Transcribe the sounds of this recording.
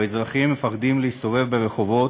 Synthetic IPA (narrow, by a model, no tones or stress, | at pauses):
ezʁaχimːefaχd̪imleist̪o̞ve̞vbe̞ʁeχo̞vo̞